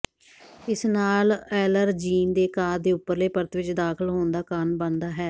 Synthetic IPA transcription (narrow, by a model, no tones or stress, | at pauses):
ɪsnaːlɛːləɾd͡ʒiːnd̪eːkaːɾd̪eːʊpːəɾleːpəɾt̪ʋɪt͡ʃd̪aːkʰəlɦoːnd̪aːkanbə̃nd̪aːɦɛː